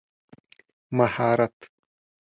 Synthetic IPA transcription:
mɐhaːɾɐt̪

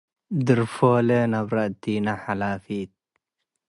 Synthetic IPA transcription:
d̪ɨɾfoːlenɐbɾaʔt̪iːnaħalaːfiːt̪̚

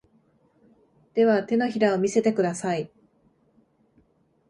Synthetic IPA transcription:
d̪̥e̞βat̪e̞no̞çiɾao̞mʲise̞t̪e̞kɯ̟d̪asai

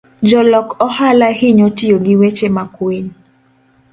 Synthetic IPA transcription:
d͡ʒɔlɔkɔhalahɪɲɔtɪjoɡɪwet͡ʃemakweɲ

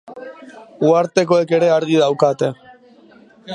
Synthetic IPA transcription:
uaɾt̪e̞ko̞e̞ke̞ɾe̞aɾɣiðawkat̪e̞

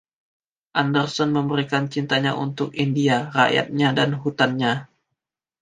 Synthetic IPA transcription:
ʔandərsɔnməmbəɾikant͡ʃint̪aɲaʔunt̪ʊkindiara̰ja̰t̪̚ɲadanɦut̪anɲa

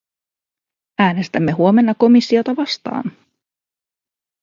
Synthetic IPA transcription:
æːne̞st̪æmːe̞ɦuo̞me̞nːɑko̞misːio̞t̪ɑʋɑst̪ɑ̰ːn

